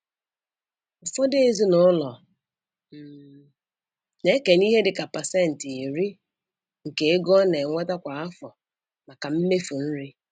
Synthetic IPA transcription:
ʊ˨fɔ˦de˦e˨zi˦nʊ˦lɔ˨ | m̩˨ | ne˦ke˨ni˦ɦe˦dɪ˨ka˨pa˨sɛ˦˨n̩˨te˨ɾi˦ | ŋ̩˨ke˨e˦ɡɔ˦ne˨ŋʷe˦ta˦kʷa˨a˦fɔ˨ | ma˨ka˨m̩˦me˦fu˨n̩˦ɾi˦

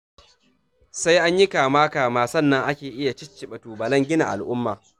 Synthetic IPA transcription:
sa˦jʔa˦ɲji˦kaː˨maː˦kaː˨maː˨sɐ˦˨nːɐ˦ŋʔa˦kʲeː˨ʔɪ˦ja˨t͡ʃɪ˦t͡ʃːɪ˨ɓɐ˨tuː˨bɐ˨lɐ˦ŋɡʲɪ˦na̰˨ʔa̰˨lʔʊ˦mːaː˨

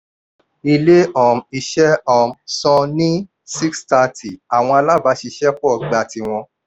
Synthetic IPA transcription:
i˧le˦ɔ˦˨m̩˨i˧ʃɛ˦ɔ˨msɔ̃˧nĩ˦ | si˦ksta˧tʰi˨a˨w̃ɔ̃˧a˧la˦ba˨˦ʃi˧ʃɛ˦kɔ˦˨ɡ͡ba˨ti˧w̃ɔ̃˧

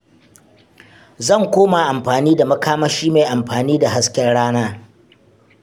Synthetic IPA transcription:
zɐ˦˨ŋkʷoː˦ma˨ʔa˨mɸaː˨niː˦da˨mɐ˦kaː˦ma˦ʃiː˦meː˨ʔa˨mɸaː˨niː˦da˨ɦa˦skʲɛ˦rɽaː˦naː˦

